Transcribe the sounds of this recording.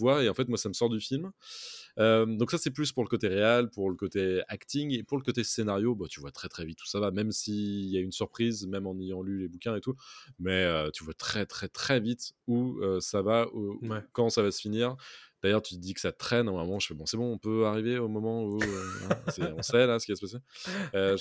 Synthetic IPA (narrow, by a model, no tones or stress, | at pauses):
vwaeɑ̃fɛt̪mwasaməsɔʁd̪yfilm | ød̪ɔ̃ksasɛplyspuʁləkot̪eʁealpuʁləkot̪eakt̪iŋepuʁləkot̪esenaʁjobat̪yvwat̪χɛt̪χɛvit̪u̥savamɛmsiljaynsyʁpχizmɛmɑ̃nejɑ̃lylebukʲɛ̃et̪umɛøt̪yvwat̪χɛt̪χɛt̪χɛvit̪uøsavaukɑ̃savasə̥finiʁd̪̥ajœʁt̪yt̪d̪ikə̥sat̪χɛnɛ̃mɔmɑ̃ʒəfɛbɔ̃sɛbɔ̃ɔ̃pøaʁiveomɔmɑ̃uɛ̃sɛɔ̃sɛlasəkʲivasə̥paseø